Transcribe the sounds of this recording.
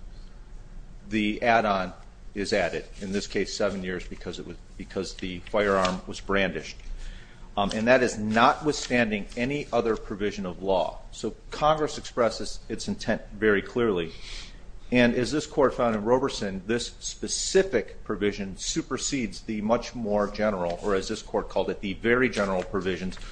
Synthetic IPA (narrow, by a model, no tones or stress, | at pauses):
ðiʔæɾə̃n | ɪzæɾɨɾɨ̃nðɪskʰeɪsɛvɨ̃n̩jɪɹzbɨkʰʌzɨʔ̚wʌ | b̥ɨkʰʌzðɨfaɪə˞ɑɹmwʌzbɹæ̃ndɨʃt̚ | ɨ̃nðɨɾɨznət̚wɨθstæ̃ndɪ̃ŋɛniʔʌðə˞pʰɹ̥ɨvɪʒɨ̃nʌvlɔ̰soʊkʰɑ̃ŋɡɹɨsɨkspɹɛsɨz̥ɨtsɨ̃n̩tʰɛ̃ntvɛɹikʰl̥ɪɹlˠi | ɨ̃nɨzðɪskʰɔɹtfãʊ̃ndɨ̃nɹoʊbə˞tsɨ̃nðɪspɨsɪfɨkpʰɹ̥ɨvɪʒɨ̃nsʉpə˞sidzðɨmʌt͡ʃmɔɹd͡ʒɛnə˞l̩ˠə˞ɨzðɪskʰɔɹt̚kʰɔlˠdɨt̪̚ðɨvɛɹid͡ʒɛnə˞l̩ˠpʰɹ̥ɨvɪʒɨ̃nz̥